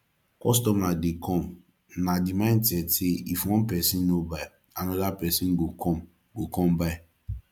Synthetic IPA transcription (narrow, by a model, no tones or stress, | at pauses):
kɔs̬tɔmnadikɔm | nadimantɛtɪifɔ̃npɛsinːobaj | anʊdapɛsin̩ɡokɔm | ɡokɔm̩bai